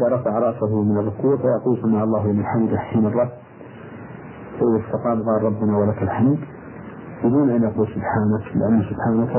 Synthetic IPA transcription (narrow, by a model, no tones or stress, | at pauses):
ʔɪaɾˤɑfɑʕɾˤɑʔsaɦʊmɪnɑrˤːʊkuːʕfajɑquːlsamaːʕɑlˤːɑːhlɪmɪlħamd̪ʔaħħiːnɑrˤːɑb̪ | sawlɪfʊqɑːnqɑːlˤɑbːʊnawalakalħamd̪ | bɪd̪uːnʔanʔɑquːlsʊbħaːnaklɪ̰ʔanːasʊbħaːnak